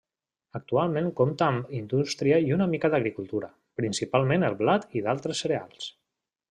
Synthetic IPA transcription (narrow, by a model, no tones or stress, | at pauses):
ək̚t̪ualˠmẽŋkomt̪əːmind̪ust̪ɾiəiunəmikəðəɣɾikulˠt̪uɾə | pɾinsipalˠmenəlˠβlat̪iðalˠt̪ɾəsːəɾea̰lˠs